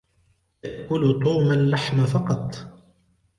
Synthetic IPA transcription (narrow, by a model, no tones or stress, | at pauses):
jaʔkʊlt̪ˤuːmalːaħmafɑqɑt̪ˤ